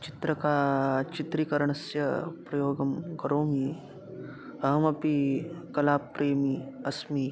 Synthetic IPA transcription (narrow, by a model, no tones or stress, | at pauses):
t͡ʃit̪ɾɐkaːt͡ʃit̪ɾikɐɾɐɳɐsjɐpɾɐjoːɡɐmkɐɾoːmi | ɐɦɐmɐpikɐlaːpːɾeːmiɐsmi